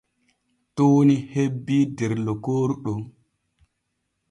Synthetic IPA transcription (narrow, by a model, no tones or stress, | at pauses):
toːnihebːidɛɾlɔkoːɾuɗɔ